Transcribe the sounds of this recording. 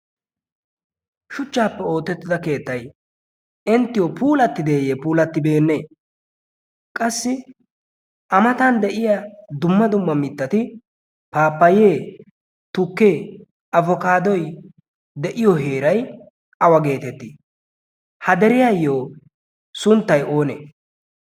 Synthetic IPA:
ʃʊt͡ʃːaːpːɛo̞ːt̪ːɛt̪ːɪd̪ɐke̞ːt̪ːɐj | ɪnt̪ːɪjɔpʰuːlɐt̪ːɪd̪eːjepuːlɐt̪ːɪbe̞ːnːe̞ː | kʼɐsːɪ | ʔɐmɐt̪ɐnd̪ɛʔɪjad̪ʊmːɐd̪ʊmːɐmɪt̪ːɐt̪ɪ | paːpːɐjeː | t̪ʊkːe̞ː | ɐvɔkaːd̪ɔj | d̪ɛʔɪjɔɦe̞ːɾɐj | ɐwɐɡe̞ːt̪ɛt̪ːɪ | hɐd̪ɛɾɪjajːoː | sʊnt̪ːɐjʔo̞ːnḛː

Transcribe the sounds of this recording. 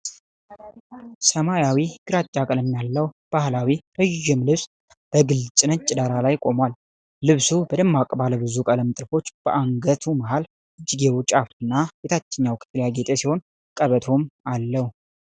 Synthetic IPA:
səmajawiɡɨɾat͡ʃʼːakʼələmːjalːəw | b̥ahlawiɾəʒːɪmlɨβs | b̥əɡɨlt͡ʃʼɨnət͡ʃʼɪd̪aɾalajkʼo̞mwal | lɨβsubəd̪əmːakʼbaləbɨzukʼələmɨt̪ʼɾfo̞t͡ʃːb̥əʔaŋɡət̪ʰumaɦal | ʔɨd͡ʒːɪɡewʊt͡ʃʼaft̪ɨnːajɛt̪ʰat͡ʃːɛɲːawkʼt̪ʰːəljaɡet̪ʼesiho̞n | kʼəβət̪ʰo̞malːəhu

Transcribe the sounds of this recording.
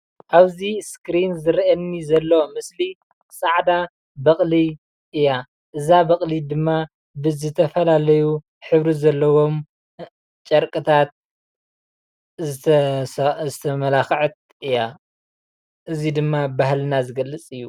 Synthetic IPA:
ʔaβziskɾinzɨɾʔɐnːizɐlːo̞mɨsli | saʕd̪a | bɐχʼli | ʔɨja | ʔɨzabɐχʼlid̪ɨmːa | bɨzɨt̪ʰɐfɐlalɐju | ħɨβɾizɐlːɐwo̞m | t͡ʃʼɐɾkʼɨt̪ʰat̪̚ | zɨt̪ʰɐmɐlaxʕɨt̪̚ | ɨja | ʔɨzid̪ɨmːabahlɨnazɨɡɐlːɨt͡sʼɨjːu

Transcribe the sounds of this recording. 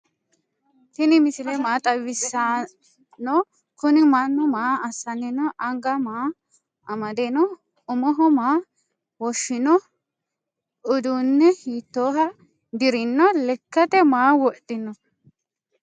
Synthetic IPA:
t̪ɪnɪmɪsɪlɛmaːt̪ʼɐwɪsːa | nɔ | kʊnɪmanːɔmaːɐsːɐnɪnɔʔɐŋɡɐmaː | ɐmɐd̪enɔ | ʊmɔɦɔmaː | wɔʃːɪnɔ | ʊd̪unːɛhiːt̪ːoːɦɐ | d̪ɪɾɪnːɔlɛkːɐt̪ɛmaːwɔʔdɪnːɔ

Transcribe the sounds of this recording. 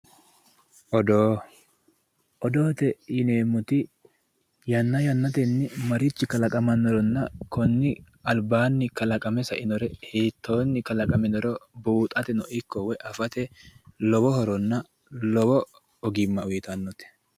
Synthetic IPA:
ʔɔd̪oː | ʔɔd̪oːt̪ɛɪneːmʊt̪ɪ | jɐnːɐjɐnːɐt̪ɛnːɪmɐɾɪt͡ʃːɪkɐlɐkʼɐmɐnːɔɾɔnːɐkɔnːɪ | ɐlbaːnːɪkɐlɐkʼɐmɛsɐʔɪnɔɾɛhiːt̪ːoːnːɪkɐlɐkʼɐmɛnɔɾɔbuːt̪ʼɐt̪ɛnɔʔɪkːɔwɛʔɐfɐt̪ɛlɔbɔhɔɾɔnːɐ | lɔbɔ | ɔɡɪmːɐʊjɪt̪ɐnːɔt̪ɛ̥

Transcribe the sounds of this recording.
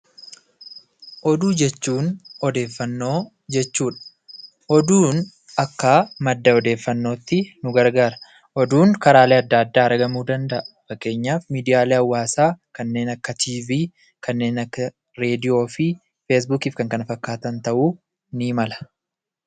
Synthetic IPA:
ʔɔd̪uːd͡ʒɛt͡ʃːuːnɔd̪e̞ːfːɐnːo̞ː | d͡ʒɛt͡ʃːuːᶑɐ̥ | ʔɔd̪uːn | ɐkːaːmɐd̪ːɐɔd̪e̞ːfːɐnːo̞ːt̪ːɪnʊɡɐɾɡaːɾɐ̥ | ʔɔd̪uːŋkɐɾaːleːɐd̪ːɐːɐd̪ːaːɐɾɡɐmuːd̪ɐnd̪ɐʔɐfɐkːe̞ːɲːaːfmiːd̪ɪjaːleːɐwːaːsaːkɐnːe̞ːnɐkːɐt̪ʰiːviː | kʰɐnːe̞ːnɐkːɐ | ɾe̞ːd̪ɪjo̞ːfɪ | feːs̬buːkiːfkɐŋkɐnɐfɐkːaːt̪ɐnt̪ɐʔuː | niːmɐlɐ̥

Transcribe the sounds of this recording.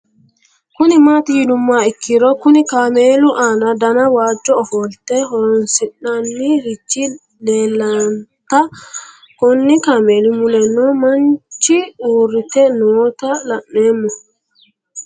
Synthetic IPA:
kʊnimaːt̪ijinʊmːaɪkːiɾɔkʊnikaːmeːluʔaːnad̪ɐnawaːd͡ʒːɔɔhɔlt̪ɛɦɔɾɔnsiɗanːiɾit͡ʃːi | leːlːɐnt̪a | kɔnːikameːlumulɛnːɔmɐnt͡ʃiuːɾɪt̪ɛnoːt̪alɐʔːeːmːɔ

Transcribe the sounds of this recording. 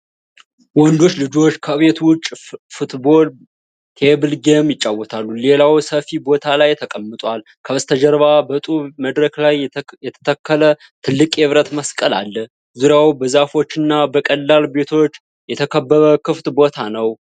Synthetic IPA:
wɔnd̪o̞t͡ʃːlɨd͡ʒo̞t͡ʃːkʰəβe̞t̪wʊt͡ʃʼfut̪bo̞l | t̪ʰebɨlɡemjɪt͡ʃʼːawːɔt̪ʰalːule̞lawsəfibo̞t̪ʰalajt̪ʰəkʼəmːɨt̪ʼwal | kʰəɨst̪ʰəd͡ʒəɾβabət̪ʼuβməd̪ɾəklajjɛt̪ʰə̥t̪ʰəkʰːələ | t̪ʰɨlːɨkʼeβɾət̪məskʼəla̰lːə | zuɾjawbəzafo̞t͡ʃːɨnːabəkʼəlːalbe̞t̪ʰo̞t͡ʃː | jɛt̪ʰəkʰəbːəβəkɨft̪ʼbo̞t̪ʰanəw

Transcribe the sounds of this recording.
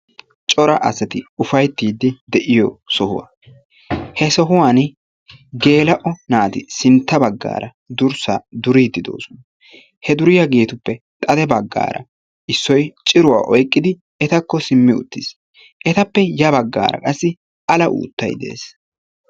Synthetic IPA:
t͡ʃʼɔɾɐʔɐsɐt̪ɪʊfɐjt̪ːiːd̪ːɪd̪ɛʔɪjɔsɔhʊwa̰ː | hɛsɔɦʊwaːn | ɡe̞ːlɐʔɔnaːt̪ɪsɪnt̪ːɐbɐɡːa̰ːɾɐ | d̪ʊɾsaːd̪ʊɾiːd̪ːɪd̪o̞̰ːsɔnɐ | hɛd̪ʊɾɪjɐɡeːt̪ʊpːɛ | t̪ʼɐd̪ɛbɐɡːa̰ːɾʔɐ̰ | ɪsːɔjt͡ʃʼɪɾʊwa̰ːʔɔjkʼːɪd̪ɪ | ɛt̪ɐkːɔsɪmːɪʊ̰t̪ːɪs | ʔɛt̪ɐpːɛjɐbɐɡːa̰ːɾɐ̰kʼɐsːɪ | ʔɐlɐʔṵːt̪ːɐ̰jd̪e̞̰ːs

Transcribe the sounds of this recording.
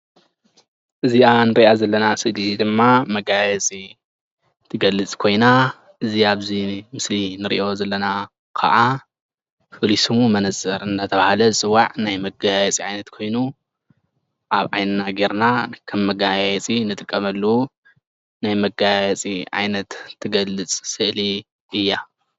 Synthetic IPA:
ʔɨzianɨɾiʔazɐlːɐnasɨlzid̪ɨmːamɐɡajɛt͡sʼi | t̪ʰːɨɡɐlːɨt͡sʼkʰo̞jna | ʔɨziaβzimɨslinɨɾḭʔo̞zɐlːɐna | kʰɐ̰ʔa | fɨlisumumɐnɐzʼɐɾɨnd̪at̪ʰɐβahalɐɨsʼɨwaʕnajmɐɡajɛt͡sʼiʕajnɐt̪kʰo̞jnu | ʔaβʕa̰jnɨnaɡeɾnakʰɐmːɐɡajjɛt͡sʼinɨt̪ʼɨkʼːɐmɐlːɐwu | najmɐɡajɛt͡sʼiʕa̰jnɐt̪ʰːɨɡɐlːɨt͡sʼsɨʔli | ʔɨjːa

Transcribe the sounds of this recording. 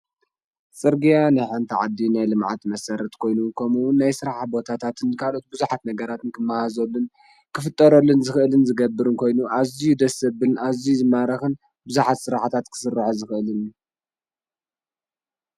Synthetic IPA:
sʼɨɾɡijanaħant̪ʰiʕad̪ːinajlɨmʕa̰t̪mɐsɐɾɐt̪kʰo̞jnukʰɐmuwʊnːajsɨɾaħbo̞t̪ʰat̪ʰat̪ʰɨnkʰalʔo̞t̪̚bɨzuħat̪nɐɡɐɾat̪ɨnkʰɨmːahazolːɨn | kʰɨfɨt̪ʼːɐɾolːɨnzɨxʔɨlɨnzɨɡɐbːɨɾɨnkʰo̞jnuʔazijud̪ɐsɐbɨnʔazizɨmaɾɐxɨn | bɨzuħat̪sɨɾaħt̪ʰat̪kʰɨ̥sɨrːaħozɨxʔɨlɨnu

